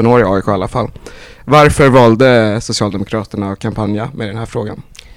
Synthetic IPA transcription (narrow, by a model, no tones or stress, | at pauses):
ɔnoːɾɪɑːʏkʰoːalːafalː | vaɾfœɾvɑːld̪əsʊsɪɑːld̪ɛmʊkʰɾɑːt̪əɳakʰampʰanjamʔed̪ɛnhæːɾfɾoːɡa̰n